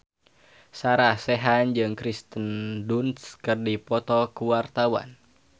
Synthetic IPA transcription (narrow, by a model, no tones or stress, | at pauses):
saɾahsɛɦand͡ʒɨŋkɾist̪əndunskɨrdipɔt̪ɔkuwart̪awa̰n